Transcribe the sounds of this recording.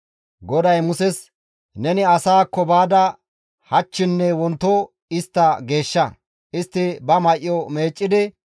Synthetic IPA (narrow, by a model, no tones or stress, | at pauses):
ɡɔd̪ɐjmʊsɛs | nɛnɪɐsaːkːɔbaːd̪ɐ | hɐt͡ʃːɪnːɛwɔnt̪ːo | ɪst̪ːɐɡe̞ːʃːɐ | ʔɪst̪ːɪbɐmɐjʔjɔme̞ːt͡ʃʼːɪd̪ɪ